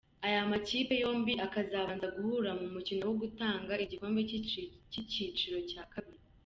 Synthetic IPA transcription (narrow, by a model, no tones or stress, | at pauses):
ajamaciːpe̞jo̞ːmbiʔakazaβaːnzaɡuhuɾamumucino̞wo̞ɡutaːŋɡaiɟiko̞ːmbecicit͡ʃiɾo̞caːkaβiɾi